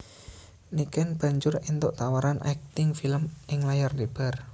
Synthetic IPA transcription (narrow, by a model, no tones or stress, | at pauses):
nikɛnb̥a̤ɲd͡ʒʊɾint̪oʔt̪awaɾanʔa̰k̚t̪ɪŋfiləmʔɪŋlajarlib̥ar